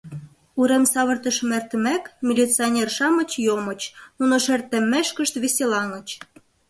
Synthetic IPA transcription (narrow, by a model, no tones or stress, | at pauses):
uɾemsɑβə̆rt̪əʃmert̪ə̆mækmʲilʲit͡sɨonʲerʃɑmə̆t͡ɕjomə̆t͡ɕnunoʃert̪ə̆mːeʃkə̆ʃt̪βesʲelɑŋə̆t͡ɕ